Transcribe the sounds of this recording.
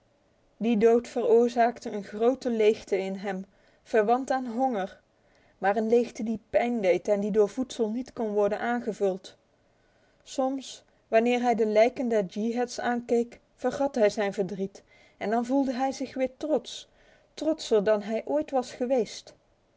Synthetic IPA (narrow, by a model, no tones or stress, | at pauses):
didowtfərʊːɹzaːktəənχrowtəlejχtəɪnɦɛm | v̥əɹʋɑntaːnɦɔŋəɹ | maːrənlejχtədipɛjndejtɛndidʊːɹvutsəlˠnitkɔnʋɔɹdənʔaːnχəvɵlˠt | sɔms | ʋɑnɪːɹɦɛjdəlɛjkəndɛɹd͡ʒiɦɛtsaːnkejk | fəɹχɑtɦɛjzɛjnvəɹdrit | ɛndɑnvulˠdəɦɛjzɪχʋɪːɹtrɔts | trɔtsəɹdɑnɦɛjʔoːjtʋɑsχəʋejst